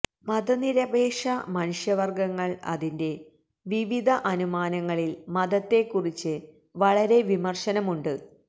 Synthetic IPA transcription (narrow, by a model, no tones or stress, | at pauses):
mɐd̪ɐniɾɐbeːʂɐmɐnuʂjɐʋɐrɡɐŋːɐɭɐ̰ðinde̞ | ʋiʋid̪ʱɐʔɐnumaːnɐŋːɐɭilmɐðɐt̪ːe̞kːurit͡ɕːɨ | ʋɐɭɐɾe̞ʋimɐrʂɐnɐmuɳɖɨ